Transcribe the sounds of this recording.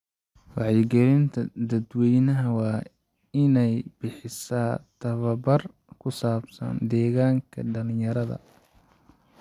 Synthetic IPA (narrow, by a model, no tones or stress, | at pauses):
wɑʕjɪɡɛlɪnt̪ʰɐd̪ɐd̪wɛjnɐɦɐwɑː | ɪnɛjbɪħɪsaːt̪ʰɐβɐbɐr | kʰʊsaːbsɐ̰nd̪ɛːɣaːŋkʰɐ̰ɖɐlɪ̃jɐɾɐðɐ̰